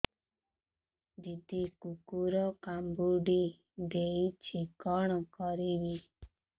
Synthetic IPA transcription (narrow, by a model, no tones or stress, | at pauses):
d̪id̪ʱikukuɾɔkambuɖi | d̪eit͡ʃʰikɔɽ̃ɔkɔɾibi